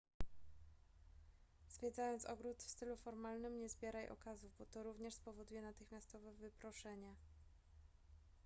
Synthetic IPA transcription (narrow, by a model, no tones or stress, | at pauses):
z̥vʲjɛd̪zajɔnt̪sɔɡɾut̪fst̪ɘlufɔɾmalnɘmɲɛzbʲjɛɾajʔɔ̰kazuvbɔt̪ɔɾuvɲɛʂspɔvɔd̪ujɛnat̪ɘxmʲast̪ɔvɛvɘpɾɔʂɛɲɛ